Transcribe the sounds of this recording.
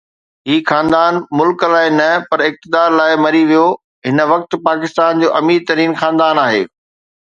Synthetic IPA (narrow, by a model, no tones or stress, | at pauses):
ɦiːxãːnd̪aːnmʊlklaːɪnɐpɐɾɪk̚t̪ɪd̪aːɾlaːɪmɐɾiʋijo | ɦɪnəʋɐk̚t̪̆paːkɪst̪aːnd͡ʑoːʔɐmiːɾt̪ɐɾiːnxaːnd̪aːnaːɦḛː